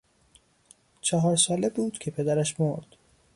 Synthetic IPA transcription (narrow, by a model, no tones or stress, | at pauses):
t͡ʃʰɒɦɒːɾsɒːlebuːd̪̥kcʰe̞pʰe̞d̪æɾæʃmoɾd̪̥